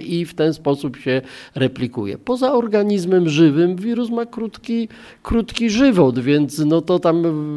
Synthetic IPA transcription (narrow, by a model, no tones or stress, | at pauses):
ʔift̪ɛnspɔsupɕɛɾɛpʲlʲikṵjɛ̰pɔzaɔɾɡaɲizmɛmʐɘvɘmvʲiɾusmakɾut̪kʲi | kɾut̪kʲiʐɘvɔd̪vʲjɛnt̪snɔt̪ɔt̪am